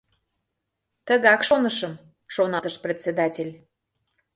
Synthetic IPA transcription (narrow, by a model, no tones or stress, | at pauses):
t̪ə̆ɣɑkʃonəʃə̆m | ʃonɑt̪əʃprʲet͡sːed̪ɑtʲelʲ